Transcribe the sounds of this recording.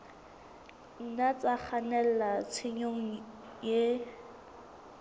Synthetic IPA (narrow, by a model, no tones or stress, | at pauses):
n̩nat͡sʼak͡xʰanɛl̩lat͡sʰɪɲoŋ̩ | je